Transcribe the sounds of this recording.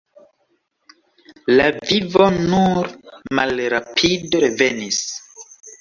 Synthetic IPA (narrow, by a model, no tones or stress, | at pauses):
lavivo̞nuɾmalɾapʰidoɾevenis